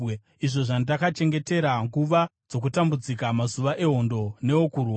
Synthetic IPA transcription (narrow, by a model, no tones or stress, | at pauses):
iʐo̞ʐandakat͡ʃe̞ŋɡe̞te̞ɾaŋɡuʋad͡zo̞k̬utambud͡zikamazuʋaʔe̞ɦo̞ndo̞ne̞okurwa